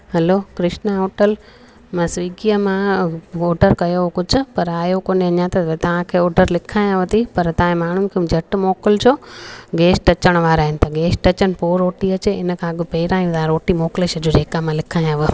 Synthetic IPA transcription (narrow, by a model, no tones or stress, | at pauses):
hɐlokɾɪʃnaoːʈəl | mɐ̃sʋiːɡijəmãoːɖəɾkɐjokʊd͡ʑʱʊ̆pɐɾaːjokoːneɐɲãt̪ɐt̪ɐʋ̤ãkʰeːoːɖʱəɾlɪkʰaːj̃ãʋət̪ʰipɐɾt̪ɐãẽmaːɳ̤ʊnɪ̆kʰed͡ʑʱɐʈmoːkəld͡ʑoːɡeːsʈɐt͡ɕəɽ̃ʋaːɾaːɦɪnɪ̆t̪ʰaɡeːsʈɐt͡ɕənɪ̆poːɾːoːʈiɐt͡ɕeɪnəkʰãɐɠʊpeːɾãːjũt̪aːɾoːʈimoːkleʃɐd͡ʑoːd͡ʑeːkamãlɪkʰaːj̃ãʋə